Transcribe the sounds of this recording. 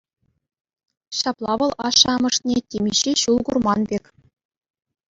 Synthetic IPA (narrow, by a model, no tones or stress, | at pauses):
ɕɑplˠɑʋɤ̆lˠʔɑʂːɑmɤ̆ʂnʲetʲemʲiɕiɕulˠɡurmɑnbʲekʲ